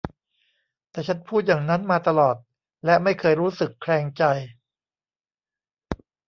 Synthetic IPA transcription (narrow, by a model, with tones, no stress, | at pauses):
t̪ɛː˨˩t͡ɕʰa˦˥npʰuː˥˩t̪̚jaː˨˩ŋna˦˥nmaː˧t̪a˧lɔː˨˩t̪̚ | lɛ˦˥ma˥˩jkʰɤː˧jɾuː˦˥sɯ˨˩kʰɾɛː˧ŋt͡ɕa˧j